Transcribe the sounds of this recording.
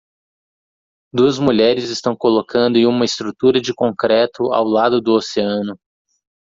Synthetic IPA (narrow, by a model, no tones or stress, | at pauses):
d̪uɐzmuʎɛɾɪzɪst̪ɐ̃w̃kolokʰɐ̃nd̪ʊɪ̃ũmɐɪst̪ɾut̪uɾɐd͡ʒɪkõkɾɛt̪ʊa̰wlad̪ʊd̪ʊoseɐ̃nʊ